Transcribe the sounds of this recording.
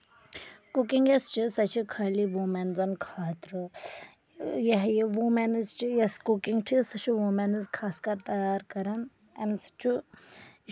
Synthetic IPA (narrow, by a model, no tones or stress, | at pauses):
kukiŋɡjɐst͡ʃisɐt͡ʃʰikʰaːliʋumenzɐnkʰaːt̪ɾɨ | jɐɦjiʋumenɨzt͡ʃijɐskukiŋɡʈʰisɐt͡ʃʰiʋumenɨzkʰaːskɐɾt̪ɐjaːɾkɐɾɐn | ɐmst͡ʃʰu